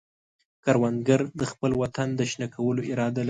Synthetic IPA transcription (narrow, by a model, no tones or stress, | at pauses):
kaɾwand̪ɡəɾd̪əxpəlwat̪and̪əʃnakʰawəloʔɪɾɑd̪al